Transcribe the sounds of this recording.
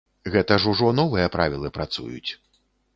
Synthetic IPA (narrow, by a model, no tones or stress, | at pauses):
ɣɛt̪ɐʐuʐɔnɔvɨjɐpɾavʲilˠɨpɾat̪sṵjṵt͡sʲ